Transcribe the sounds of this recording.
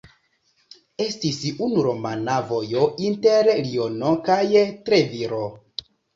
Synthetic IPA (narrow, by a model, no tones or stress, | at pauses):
e̞stisunuɾo̞manavo̞joʔinteɾlio̞nokajtɾeviɾo